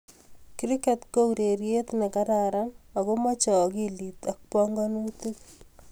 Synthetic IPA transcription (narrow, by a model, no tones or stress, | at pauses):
kiɾikɛtkouɾeɾjet̪nekaɾaɾamakomɔt͡ʃɔkilit̪ak̚pɔŋɡɔnutuk